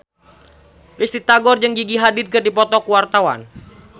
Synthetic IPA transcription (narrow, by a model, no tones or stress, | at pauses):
rist̪it̪aɡɔrd͡ʒɨŋɡiɡiɦadɪd̪̚kɨrdipɔt̪ɔkuwart̪awa̰n